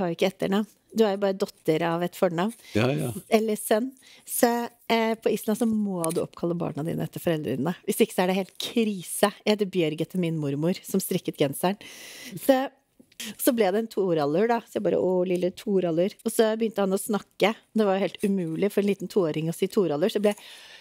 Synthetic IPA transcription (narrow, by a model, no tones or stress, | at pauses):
hɑɾjʊɪkːəɛt̪ːəɳɑʋn | d̪ʉæɾjbɑːɾəd̪ɔt̪ːəɾɑʋɛt̪fɔɳɑʋn | ɛlːəsœnː | sɔ | pʰɔiːslɑsɔmmɔd̪ʉʔɔ̰pːkʰɑlːəbɑ̰ːɳɑd̪ḭːnə̰ɛt̪ːəfɔɾɛld̪ɾəɪ̰nnəʋɪsd̪ɪkːə̥sɔæɖɛheːlt̪̚kʰɾiːsəɛd̪ɛbjœɾɡət̪ʰːɪlmɪnmʊɾmʊɾsɔmst̪ɾɪkːət̪ɡɛnsæɳsɔ | sɔblɛd̪ɛːnt̪ʰuːɾɑlːʉɖɑsɔjæbɑːɾə̰ʔɔlɪlːət̪ʰuːɾɑlːʉɾɔsɔbəjʏnt̪əhɑnɔsnɑkːəɔd̪ɛʋɑɾjʊheːlt̪ʉmʉːlɪfɔɾɛnliːt̪nt̪ʰuːoːɾɪŋɔsiːt̪ʰuːɾɑlːʉsɔblɛ